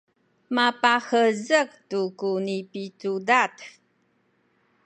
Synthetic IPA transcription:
mapaxəzəktukunipitudat

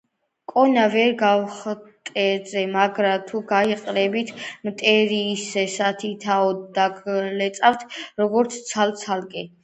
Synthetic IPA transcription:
kʼɔnavɛɾɡawχt̪ʼɛzɛmaɡɾat̪ʰuɡaiqʼɾɛbit̪ʰmt̪ʼɛɾiːsɛsat̪ʰit̪ʰaɔd̪d̪aɡlɛt̪sʼaft̪ʰɾɔɡɔɾt̪sʰt̪sʰalt̪sʰalkʼɛ

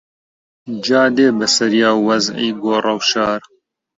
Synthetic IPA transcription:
d͡ʒaːd̪eːbɐsɐɾjaːwɐzḭjɡoːrˤɐwʃɑːɾ

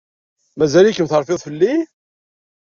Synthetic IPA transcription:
mæzælikːənθəɾˤfɪðˤfəlːi

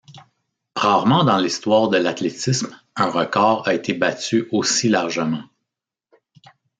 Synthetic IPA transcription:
ʁaːʁmɑ̃d̪ɑ̃list̪waːʁd̪əlat̪letism | ɛ̃ʁəkɑːʁaet̪ʰebat͡syosilaʁʒəmɑ̃

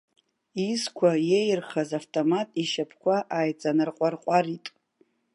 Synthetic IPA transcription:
izkʷʰajejrχazaftʼomatʼiʃapʰkʷʰaʔajt͡sʼanɨrqʷʼarqʷʼaritʼ

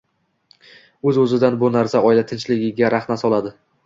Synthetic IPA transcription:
ɵzɵzɪd̪anbʊnaɾsaɒjɪlat̪ʰɪnt͡ʃlɪɡʲɪɡʲaɾaχnasɒlˠad̪ɪ

